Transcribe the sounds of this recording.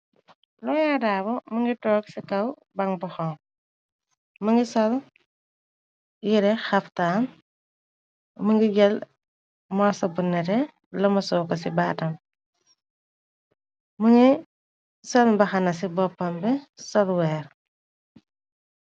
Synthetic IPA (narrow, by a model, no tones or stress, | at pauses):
lɔjadaːbɔmɐŋɡitɔːksikɐw | bɐŋbɐxɔŋ | mɐŋɡisɔl | jiɾɛxɐftaːn | məŋɡiɡɛl | mɔsɐbunːɛɾɛ | lɐmɐsɔːkɐsibaːtɐm | məŋɡi | sɔlbɐxɐnɐs̬ibɔpːɐmbɛsɔlwɛːɾ